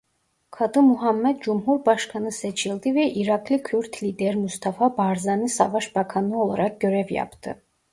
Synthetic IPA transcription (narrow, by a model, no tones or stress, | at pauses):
kʰɑd̪ɯmuɦɑmːæd̪̚d͡ʒumɦuɾbɑʃkʰɑnɯset͡ʃʰilʲd̪ivɛʔiɾɑkʰlˠikʰyɾt̪ʰlid̪eɾmust̪ʰɑfɑbɑɾzɑnɯsɑ̰vɑʃbɑkʰɑnɯo̞lˠaɾɑk̚ɟøɾɛvjɑ̰pt̪ʰɯ̰